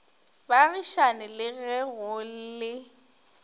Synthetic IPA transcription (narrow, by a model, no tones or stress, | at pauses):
baɣiʃanɪlɪɣɛɣʊl̩lɪ